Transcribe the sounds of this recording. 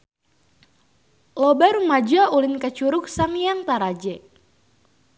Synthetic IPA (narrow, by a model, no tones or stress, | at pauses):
lɔbarumad͡ʒaulɪnkat͡ʃuɾʊk̚saŋijaŋt̪aɾad͡ʒɛ